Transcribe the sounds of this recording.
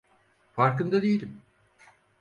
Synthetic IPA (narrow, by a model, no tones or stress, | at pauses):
faɾkɯnd̪ad̪ejilʲim